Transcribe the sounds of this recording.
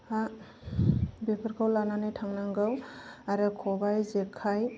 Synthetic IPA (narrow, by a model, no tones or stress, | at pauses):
a | bepʰəɾkʰawlananɯjtʰaŋnaŋɡɯwaɾɯkʰɔbajzekʰaj